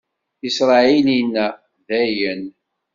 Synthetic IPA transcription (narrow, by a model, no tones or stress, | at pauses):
isɾˤɑilinːæ | ðæjən